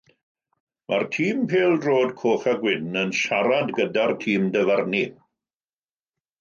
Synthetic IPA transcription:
mʔartʰiːmpʰeːlˠdroːdkʰoːχaɡwɪnənʃaɾadɡədartʰiːmdəvarni

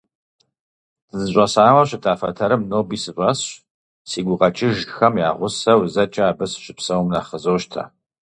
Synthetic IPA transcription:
ɨzɨɕʷʼɐsaːwɐɕɪtʰaːfɐ̰tʰɐɾɨmnoːbiːsɨɕʷʼɐsɕ | siːɡʷʊqʼɐt͡ʃʼɪʒxɐmja̰ːʁʷʊsɐwzɐt͡ʃʼɐaːbɨsɕɪpsɐwmnaːχəzoːʃtʰa̰ː

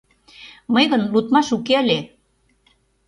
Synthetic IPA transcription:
məjɣənlut̪mɑʃukeəlʲe

